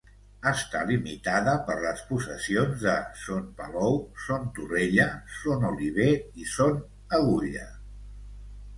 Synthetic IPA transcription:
əst̪a̰limit̪aðəpəɾləspusəsionzðəsonpəlɔwsont̪ureʎəsonuliβ̞eison | əɣuliə̰

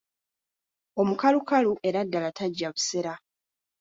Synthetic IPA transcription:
omukalukaluʔe̞ɾadːalataɟːaβuse̞ɾa

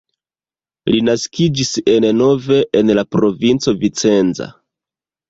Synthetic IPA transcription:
linaskid͡ʒise̞nno̞ve̞ʔenlapɾo̞vint͡so̞vit͡se̞nza̰

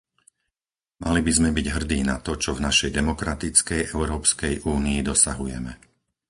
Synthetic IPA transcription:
malibizmɛbiɟɦr̩d̪iːnat̪ɔt͡ʃɔvnaʃɛjd̪ɛmɔkɾat̪it͡skɛjʔɛʊɾɔːpskɛjʔuːniːd̪ɔsa̰ɦujɛ̰mɛ

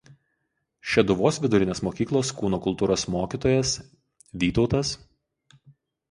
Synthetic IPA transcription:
ʃʲɛd̪ʊʋoːsʋʲɪd̪ʊɾʲɪnʲeːsmoːkʲiːklˠoːskuːnoːkʊlˠt̪uːɾoːsmoːkʲiːt̪oːjɛs | ʋʲiːt̪ɒʊt̪ɐs

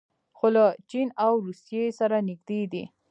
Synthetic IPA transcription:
xolat͡ʃinawɾusijesaɾanɪɡ̚d̪ed̪ḭ

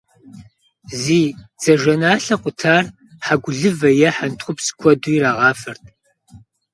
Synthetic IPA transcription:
ziːd͡z̥ɐʒɐnaːɬɐqʷʼʊtʰaːr | ħaɡʷʊɮɨvɐjɛħantʰχʷʊpskʷʰɔduiraːʁɑːfɐrt̚ʰʼ

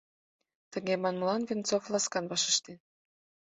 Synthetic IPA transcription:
t̪ə̆ŋemɑnmlɑnvʲent͡soflˠɑskɑnbɑʃə̆ʃt̪en

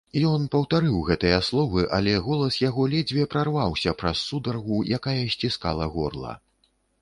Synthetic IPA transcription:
jɔnpɐwt̪aɾɨwɣɛt̪ɐjaslˠɔvɨʔalʲɛɣɔlˠɐsjaɣɔlʲɛd͡zʲvʲiɛpɾarvawsʲɐpɾɐsːud̪ɐrɣujakajɐsʲt͡sʲiska̰lˠɐɣɔ̰rlˠɐ̰

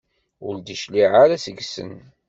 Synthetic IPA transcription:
ʊɾd̪iʃliʕaɾasəɡsə̰n

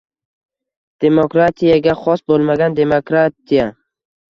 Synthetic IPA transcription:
d̪̥e̞mokɾat̪ʰijaɡʲaχɒsbolˠmaɡʲand̪e̞mokɾat̪ʰija

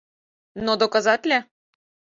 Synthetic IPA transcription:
nod̪okɑzɑt̪ʲlʲe

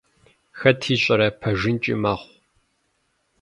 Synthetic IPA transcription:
xɐtʰiːɕʼɐɾɐpʰɐʒɪnt͡ʃʼḭmɐχʷ

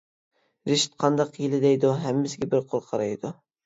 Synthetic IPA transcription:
ɾɪʃt̪̚qʰɑnd̪ɑqjɪlɪd̪ɛjd̪uɦæmːɪsɪɡʲɛbɪɾqʰoɾqʰɑɾɑjd̪ʊ

